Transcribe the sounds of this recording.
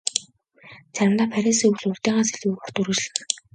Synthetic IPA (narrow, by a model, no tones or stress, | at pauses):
t͡sʰæɾʲɪ̆mt̪aːpʰæɾʲiːsiŋuwɮʊɮt̪iːʁaːseɮuːɔr̥t̪uɾɘ̆t͡ɕɮɘ̆x